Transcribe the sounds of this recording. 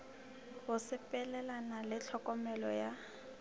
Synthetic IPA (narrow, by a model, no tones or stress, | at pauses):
hʊsɪpʼɛlɛlanalɪt͡ɬʰɔkʼɔmɛlɔ̰ja